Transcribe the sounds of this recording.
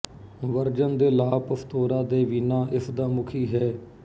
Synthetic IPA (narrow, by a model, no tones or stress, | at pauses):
ʋəɾd͡ʒənd̪eːlaːpəfʰt̪oːɾãːd̪eːʋiːnãːʔɪsd̪aːmʊkʰiːɦɛː